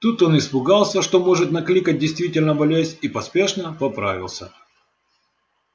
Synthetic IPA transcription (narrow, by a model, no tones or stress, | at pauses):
t̪ut̪o̞nɪspʊɡalˠsʲəʂt̪omo̞ʐɨt̪nɐklʲikət̚ʲdʲɪjst̪vʲitʲɪlʲnəbɐlʲezʲipɐspʲeʂnəpɐpɾa̰vʲɪ̰lˠsʲə̰